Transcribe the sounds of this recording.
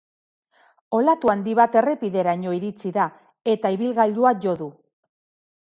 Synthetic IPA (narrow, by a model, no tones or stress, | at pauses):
o̞lat̪uand̪iβat̪e̞re̞piðe̞ɾaɲo̞iɾit͡siða | e̞t̪aiβilɣaʎuaʝo̞ðu